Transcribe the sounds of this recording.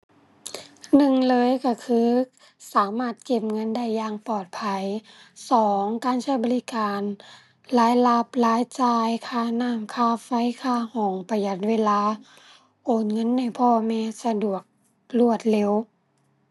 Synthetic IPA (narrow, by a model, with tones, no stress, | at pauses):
nɯ˨˩ŋlɤː˧˦˨jka˧˩kʰɯː˧˥ | saː˨˦maː˧˥˩t̪̚ke˧˩m̚ŋɤ˧˥˨nda˧˥˩jːaː˧ŋpɔː˨˩t̪̚pʰa˧jsɔː˨˦ŋkaː˨˧˦nsʰa˧˥˩bɔː˧˦li˧˦kaː˨n | laː˨˦˥jla˧˥p̚laː˨˦˥jt͡ɕaː˧˩jkʰaː˧˩˨naː˧˥˨mkʰaː˧˩˨fa˧˥˨jkʰaː˧˩hɔː˨˩˦ŋpa˧ja˧˩t̪̚weː˧˥˨laː˧˥ | ʔoː˨˩nŋɤ˧˥˨nːa˧˩˨jpʰɔː˧mɛː˧˥sa˧du˨˩ək̚ | lu˧˩ət̪̚le˧˦˨w